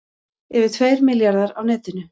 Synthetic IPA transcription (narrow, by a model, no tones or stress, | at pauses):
ɛvɪt̪ʰveːjɾmɪljaɾðaɾawnɛːt̪ɪnʏ